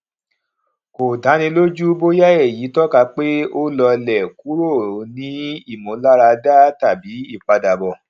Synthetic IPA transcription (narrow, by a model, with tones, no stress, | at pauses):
ko˨da˨˦nĩ˧lo˦d͡ʒu˦bo˦ja˦e˦˨ji˨˦tɔ˦ka˧k͡pe˦o˦lɔ˧lɛ˨ku˨˦ɾo˦˨nĩ˨˦i˦˨mõ˨˦la˦ɾa˧da˦ta˦˨bi˨˦i˦˨k͡pa˧da˨bɔ˨